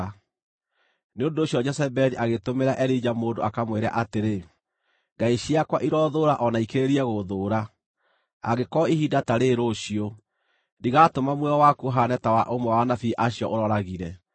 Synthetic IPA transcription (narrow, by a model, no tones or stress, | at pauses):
neondoːɕjɔd͡ʒɛsɛbɛniʔaɣetomeɾaʔɛɾid͡ʒamoːdoakamweɾa̰ʔateɾe | ŋɡaiɕijakwaʔiɾɔðoːɾaʔɔnaikeɾeɾiɛɣoðoɾa | a̰ɣekɔihidataɾeɾoɕio | diɣatomamwɛɔwakuɦanɛtawaʔomwɛwanafiʔaɕiɔʔoɾɔɾaɣiɾɛ